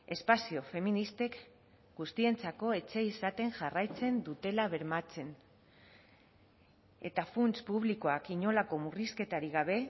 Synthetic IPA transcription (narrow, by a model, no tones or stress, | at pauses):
e̞spasio̞fe̞minist̪e̞k | ɡust̪ie̞nt͡sako̞e̞t͡se̞isat̪e̞ŋʝarajt͡se̞nd̪ut̪e̞laβe̞ɾmat͡se̞n | e̞̰t̪afunt͡spuβ̞liko̞akiɲo̞lako̞muriske̞t̪aɾiɣaβe̞